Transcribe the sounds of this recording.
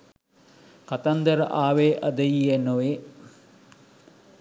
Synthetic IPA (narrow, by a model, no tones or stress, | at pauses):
kɐt̪ɐnd̪ɐɾɐʔaːʋeːʔɐd̪ɐjienoʋe